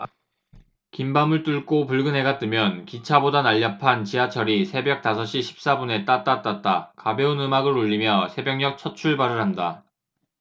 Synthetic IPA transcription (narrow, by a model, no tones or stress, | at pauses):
kimbamɯɭt͈uɭk͈opuɭɡɯnɦe̞ɡat͈ɯmjʌnkit͡ɕʰabodanaʎːapʰant͡ɕiat͡ɕʰʌɾisʰe̞bjʌk̚t͈asʰʌɕ͈iɕʰi̥p̚s͈abune̞t͈at͈at͈at̚t͈akabjʌunɯmaɡɯɾuʎːimjʌsʰe̞bjʌŋɲʌk̚t͡ɕʰʌt̚t͡ɕʰuɭbaɾɯɭɦanda